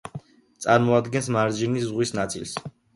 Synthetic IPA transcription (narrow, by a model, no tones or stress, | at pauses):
t̪sʼa̰ɾmɔad̪ɡɛnsmaɾd͡ʒiniszʁwisnat̪sʼḭls